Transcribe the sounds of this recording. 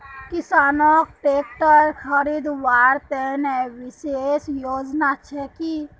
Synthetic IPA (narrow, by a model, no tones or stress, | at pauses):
kisaːnokʈeːk̚ʈəɾxʰəɾid̪ʋaːɾt̪enɛʋɪsesjoːd͡ʒnat͡ʃʰɛki